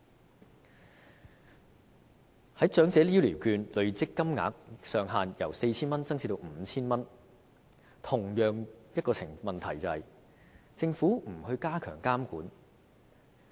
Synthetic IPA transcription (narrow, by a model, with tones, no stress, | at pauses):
hɐ˨˥jt͡ʃœː˨˥ŋt͡sɛː˨˧˥li˥wliː˨˩wkyː˧nlɵ˨ɥt͡sɪ˥kːɐ˥mŋa̰ː˨˥k̚sœː˨ŋɦaː˨njɐ˨˩wse˧jt͡sʰiː˥nmɐ˥nt͡sɐ˥ŋsʰi˧t̪o˧wm̩ː˨˩˦t͡sʰiː˥nmɐ˥n | t̪ʰʊ˨˩ŋjœː˨˧ŋjɐ˥t̚kɔː˧t͡sʰɪ˨˩ŋmɐ˨nt̪ʰɐ˨˩jt͡sɐ˨hɐ˨j | t͡sɪ˧ŋfuː˨˥m̩˨˩hɵ˧ɥkaː˥kʰœ̰ː˨˩ŋkaː˥mkuː˨˥n